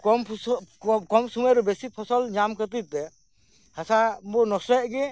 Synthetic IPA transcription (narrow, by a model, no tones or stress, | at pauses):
kɔmʰ | kɔmsumɛɾɔbesipʰɔsɔlɲamkət̪̬it̪ɛ | hasabɔnɔsɾɛʔɡɛ